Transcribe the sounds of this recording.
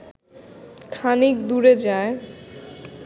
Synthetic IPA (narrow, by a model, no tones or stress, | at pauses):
kʰanik̚d̪uɾed͡ʑae